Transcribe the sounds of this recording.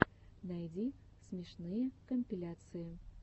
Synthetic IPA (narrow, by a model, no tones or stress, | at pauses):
næjd̪ʲi | sʲmʲeʃnɨjəkomʲpʲilʲat̪sɨjə